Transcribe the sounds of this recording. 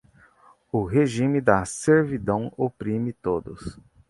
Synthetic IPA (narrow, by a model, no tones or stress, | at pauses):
ʊɦeʒĩmɪd̪ɐseɾvid̪ɐ̃w̃opɾĩmɪt̪od̪ʊs